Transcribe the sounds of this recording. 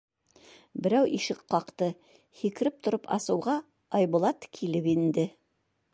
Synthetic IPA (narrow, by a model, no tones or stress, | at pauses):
bɘ̆ɾæwʔiʃɘqqːɑqt̪ɤ | hikɘ̆ɾɘp̚t̪ŏɾopɑ̰sɤ̆wʁɑ | ɑjbŭlˠɑt̪kʰilɘpind̪ɘ